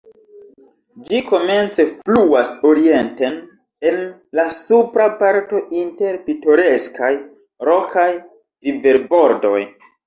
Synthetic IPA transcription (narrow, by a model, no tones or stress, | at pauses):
d͡ʒiko̞me̞nt͡se̞fluaso̞ɾie̞nten | e̞n | lasupɾapaɾto̞ʔinte̞ɾpito̞ɾe̞skaj | ɾo̞kaj | live̞ɾbo̞ɾdo̞̰j